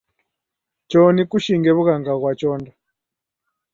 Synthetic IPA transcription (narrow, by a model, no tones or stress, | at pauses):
t͡ʃɔnikuʃiŋɡɛβuɣaŋɡaɣwat͡ʃɔːnda